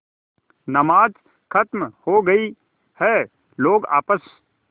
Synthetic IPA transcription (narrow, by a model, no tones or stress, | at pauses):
nɐmaːd͡ʒ | kʰət̪mhoɡəi | hɛ | loːɡa̰ːpəs